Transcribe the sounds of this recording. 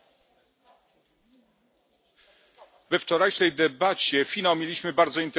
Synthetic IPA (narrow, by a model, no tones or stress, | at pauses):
vɛft͡ʂɔɾajʂɛjd̪ɛbat͡ɕɛfʲinawmʲjelʲiɕmɘbaɾd̪zɔint̪